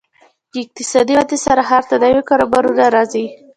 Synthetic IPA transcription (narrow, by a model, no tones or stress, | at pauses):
d̪əɪq̚t̪ɪsɑd̪iat̪esaɾaɦaɾt̪ad̪awekɑɾabɑɾod̪aɾɑzi